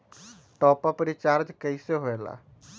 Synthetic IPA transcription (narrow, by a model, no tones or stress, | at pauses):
ʈɔːpəpɾit͡ʃaɾd͡ʒkəiseɦoela̰